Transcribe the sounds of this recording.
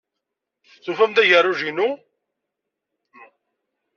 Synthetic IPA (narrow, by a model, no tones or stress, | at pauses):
θufæmd̪æʝərˤuʒinu